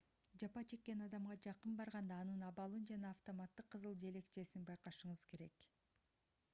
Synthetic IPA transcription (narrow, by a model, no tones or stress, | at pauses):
d͡ʒɑpɑt͡ʃʰe̞kːe̞nɑd̪ɑmʁɑd͡ʒɑqɯnbɑɾʁɑnd̪ɑːnɯnɑβɑlˠɯnd͡ʒɑnɑːft̪omat̪ːɯqʰːɯzɯlˠd͡ʒe̞le̞kt͡ʃe̞sinbɑjqɑʃɯɴɯz̥ke̞ɾe̞k